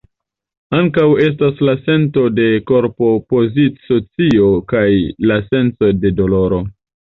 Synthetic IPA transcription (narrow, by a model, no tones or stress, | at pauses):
aŋkawe̞s̬taslase̞nto̞de̞ko̞ɾpo̞po̞zisot͡sio̞kajlase̞nt͡so̞de̞do̞lo̞ɾo̞